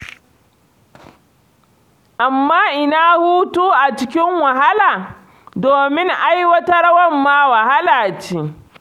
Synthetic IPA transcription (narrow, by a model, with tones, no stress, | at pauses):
ʔa˨mːaː˦ʔɪ˦naː˦huː˦tuː˦ʔa˨t͡ʃɪ˦kʲɪ˦ŋwɐ˨ɦa˦laː˨ | doː˨mɪ˦ŋʔa˦jwɐ˦tɐ˦rwɐ˦mːaː˦wɐ˨ha˦laː˨t͡ʃiː˦